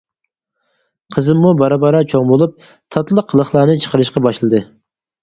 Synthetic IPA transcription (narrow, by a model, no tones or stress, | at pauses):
qʰəzɨmːubɑɾɑbɑɾɑt͡ʃʰoŋbolˠup̚ | t̪ʰɑt̪lˠəqʰːəlˠəχlˠɑːnɨt͡ʃʰə̥qəɾɨʃqɑbɑʃlˠɨd̪ɨ